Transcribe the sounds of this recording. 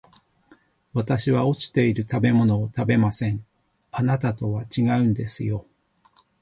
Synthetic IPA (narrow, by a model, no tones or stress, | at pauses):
βat̪aɕiβao̞t͡ɕi̥t̪e̞iɾɯ̟t̪abe̞mo̞no̞ːt̪abe̞masẽ̞ɴ | anat̪at̪o̞βat͡ɕiɡaɯ̟̃nd̪e̞sɨjo̞